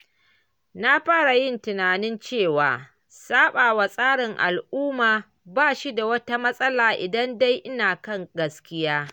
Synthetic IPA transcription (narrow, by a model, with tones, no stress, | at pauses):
na˦ɸaː˦ɽa˨jɪ˦ntɪ˨naː˨nɪ˦nt͡ʃeː˦˨waː˨ | saː˦ɓaː˨wa˨sʼaː˦ɽɪ˨ŋʔa̰˨lʔuː˦maː˨ | baː˦˨ʃi˦da˨wɐ˦ta˦mɐ˦sʼɐ˦laː˨ʔɪ˨dɐ˦nda˦jʔɪ˦naː˨kɐ˦ŋɡɐ˦skʲɪ˦jaː˦